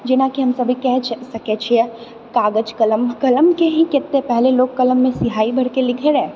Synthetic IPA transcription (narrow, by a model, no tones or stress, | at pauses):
d͡ʒɪnakiɦɐmsɐbʱikɛɦt͡ʃʰsɐket͡ʃʰiɛ | kaːɡəd͡ʒkɐləmkɐləmkeɦĩkɪt̪ːepɛɦleloːɡ̚kɐləmːẽsɪɦaːibʱɐɽkelɪkʰeɾɛː